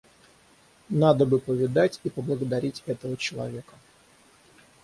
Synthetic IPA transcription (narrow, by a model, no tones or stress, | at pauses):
nad̪əbɨpəvʲɪd̪atʲipəblˠəɡəd̪ɐɾʲitʲɛt̪əvət͡ɕɪlˠɐ̰vʲe̞kə